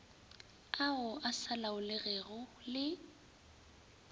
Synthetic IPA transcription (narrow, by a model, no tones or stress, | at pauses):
aʊʔasalaʊlɪɣɛɣʊlɪ